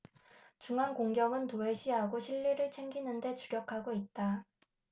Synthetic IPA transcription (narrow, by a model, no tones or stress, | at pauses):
t͡ɕuŋɦankoŋɡjʌŋɯntoe̞ɕʰiɦaɡoɕʰiʎːiɾɯɭt͡ɕʰe̞ŋɡinɯnde̞t͡ɕuɾjʌkʰaɡoit̚t͈a